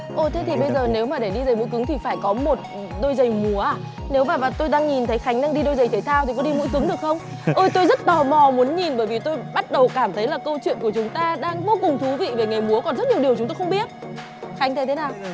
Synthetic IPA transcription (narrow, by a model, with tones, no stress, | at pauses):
ʔo˧˩t̪ʰe˨˦t̪ʰi˨˩ɓə˧jzəː˨˩ne˨˦wmaː˨˩ɗe˧˩ɗi˧zə˨˩jm̰˧˥jk̬ɨ˨˦ŋt̪ʰi˨˩faː˧˩jkɔ˨˦mo˨˩t̚ | ɗo˧jzə˨˩jmu˨˦əʔaː˧˩ | ne˨˦wmaː˨˩maː˨˩t̪o˧jɗaː˧ŋɲi˨˩nt̪ʰə˨˦jxa˨˦jŋ̟ɗaː˧ŋɗi˧ɗo˧jzə˨˩jt̪ʰe˨˩˦t̪ʰaː˧wt̪i˨˩kɔ˨˦ɗi˧mṵ˧˥jkɨ˨˦ŋɗɨ˨˩ək̚xə˧wŋ͡m | ʔəː˧jt̪o˧jzə˦˥t̚t̪ɔː˨˩mɔ˨˩mu˨˦nɲi˨˩nɓəː˧˩jvi˨˩t̪o˧jɓa˦˥t̚ɗə˨˩wkaː˧˩mt̪ʰə˨˦jlaː˨˩kə˧wt͡ɕwḭ˧˨ənku˧˩ət͡ɕʊ˨˦ŋ͡mt̪aː˧ɗaː˧ŋvo˧kʊ˨˩ŋ͡mt̪ʰu˨˦vḭ˧˨ve˨˩ŋə˨˩jmu˨˦əkɔ˨˩nzə˦˥t̚ɲi˨˩əwɗi˨ət͡ɕʊ˨˦ŋ͡mt̪o˧xə˧ŋ͡mɓi˦˥ət̚ | xa˨˦ŋt̪ʰa˧˩t̪ʰnaː˨˩w